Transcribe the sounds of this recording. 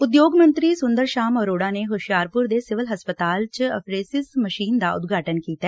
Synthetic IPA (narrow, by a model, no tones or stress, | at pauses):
ʊd̪joːɡmə̃nt̪ɾiːsʊnd̪əɾʃaːmɔːɾoːɽaːneɦoʃjaːɾpʊɾd̪eːsɪʋəlɦəspət̪aːlt͡ʃəpʰɾeːsɪsməʃiːnd̪a̰ːʊ̰d̪ɡʱaːʈənkiːt̪aɛ